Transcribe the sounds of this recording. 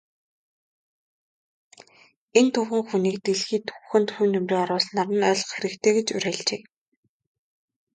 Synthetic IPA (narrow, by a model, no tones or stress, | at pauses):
ent̪ʰʊwxɘ̆ŋxuniːkt̪eɮxiːt̪ʰʊ̥wxɘ̆nt̪xuːnɵmreːɔɾʊːsnaɾə̆nœːɮ̆χxeɾɘ̆kt̪ʰeːɡet͡ɕʊɾæːɮt͡ɕeː